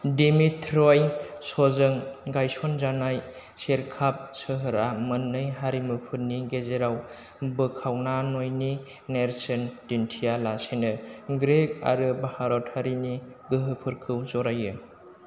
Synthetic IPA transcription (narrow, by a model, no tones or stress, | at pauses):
dimitʰɾɔjsɔzɯŋɡajsɔnzanaj | seɾkʰap̚sɯɦɯɾamɯnːɯjɦaɾimɯpʰɯnːiɡezeɾaw | bɯkʰawnanojni | neɾsɯndintʰijalasinɯɡɾek̚a̰ɾɯbahaɾɔtʰhaɾiniɡɯɦɯpʰɯɾkʰɯwzɔɾajɯ